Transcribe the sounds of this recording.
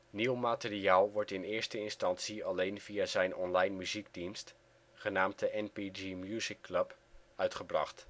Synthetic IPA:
niwmaːtɪriaːlˠʋɔɹtɪnɪːɹstəɪnstɑnsiɑlejnvijaːzɛjnɔnlɑjnmyziɡdinst | χənaːmtəʔɛnpid͡ʒimjuːzɪkːlɵp | œɥtχəbrɑ̰χt

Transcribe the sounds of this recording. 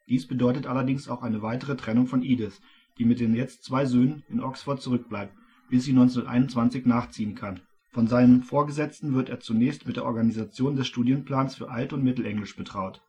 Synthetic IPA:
d̥iːsb̥ədɔʏtətʔalɐdɪŋsaʊxʔaɪnəvaɪtəʁ̞ətʁ̥ɛnʊŋfɔnʔiːdɪs | d̥iːmɪt̚d̥eːnjɛt͡stt͡sv̥aɪzøːnənɪnʔɔksfoɐt̚t͡suʁʏk̚b̥laɪp̚t | b̥ɪsz̥iːnɔ̃nt͡snɐtʔa̰ɪnʊnt͡sv̥ant͡sɪçnaːχt͡siːənkʰan | fɔnzaɪnənfoːɐɡəzɛt͡stn̩vɪɐteːɐt͡sunɛːçstmɪtd̥eːɐʔɔɐɡanizat͡sjoːndɛsʃtuːdjənpl̥aːnsfyːɐʔaltʊntmɪtl̩ʔɛŋlɪʃb̥ətʁ̥aʊt

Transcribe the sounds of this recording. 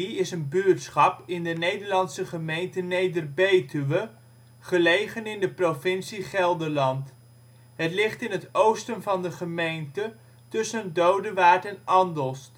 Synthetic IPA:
iɪsənbyɹtsχɑpɪndənejdəɹlɑnsəχəmejntənejdərbejtyʋə | χəlejχənɪndəprofɪnsiχɛlˠdəlɑnt | ɦətlɪχtɪnətowstənvɑndəχəmejntə | tʏsəndowdəʋaːɹtɛnɑndəlˠs

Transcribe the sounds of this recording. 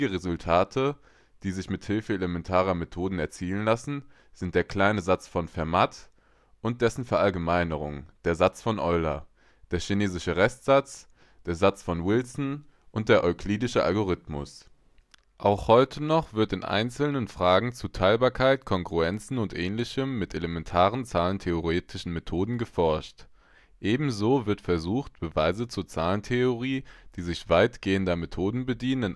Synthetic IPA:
ɡəʁezʊltʰaːtʰə | d̥iːzɪçmɪthɪlfəelemɛntʰaːʁ̞ɐmetʰoːdn̩ɛɐt͡siːlənlasn̩ | z̥ɪnt̚d̥eːɐkl̥aɪnəzat͡sfɔnfɛɐmat | ʔʊnt̚d̥ɛsn̩fɛɐʔalɡəmaɪnəʁ̞ʊ̰ŋd̥eːɐzat͡sfɔnʔɔʏla̰ | d̥eːɐʃineːzɪʃəʁɛstz̥at͡s | d̥eːɐzat͡sfɔnwɪlsn̩ | ʔʊnt̚d̥eːɐʔɔʏkʰliːdɪʃəʔa̰lɡoʁɪtmʊ̰s | ʔaʊxhɔʏtʰənɔχv̥ɪɐtɪnʔa̰ɪnt͡sl̩nənfʁ̥aːɡŋ̩t͡sutʰaɪlbaːɐkʰaɪtkʰɔŋɡʁuɛnt͡sn̩ʊntʔɛːnlɪçəmːɪtelemɛntʰaːʁ̞ənt͡saːləntʰeoʁeːtʰɪʃn̩metʰoːdn̩ɡəfɔɐʃt | ʔeːbm̩zoːvɪɐtfɛɐzuːxt̚b̥əvaɪzət͡suːɐt͡saːləntʰeoʁiːd̥iːzɪçv̥aɪtɡ̥eːəndɐmetʰoːdn̩bədiːnənn

